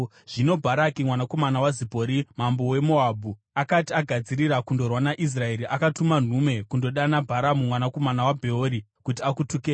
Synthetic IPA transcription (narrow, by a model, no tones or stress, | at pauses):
ʐ̥ino̞bʱaɾakimwanako̞manawazipo̞ɾimambo̞we̞mo̞abʱu | akatiaɡʱad͡ziɾiɾakundo̞rwanaʔis̬rae̞ɾiʔakatuman̤ume̞kundo̞ɗanabʱaɾamumwanako̞manawabʱe̞oɾikut̬iakutukeː